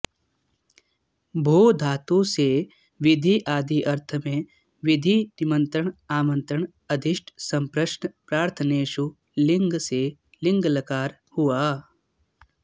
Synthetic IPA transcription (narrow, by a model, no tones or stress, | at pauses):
bʱoːd̪ʱaːt̪use | ʋɪd̪ʱiʔaːd̪ʱiʔɐɾt̪ʰəmẽ | ʋɪd̪ʱinimə̃nt̪ɾəɳaːmə̃nt̪ɾəɳ | ɐd̪ʱiʃʈʰsɐ̃mpɾɐʃɳpɾaːɾt̪ʰəneːʃu | lɪŋɡse | lɪŋɡlɐkaːɾ | huaː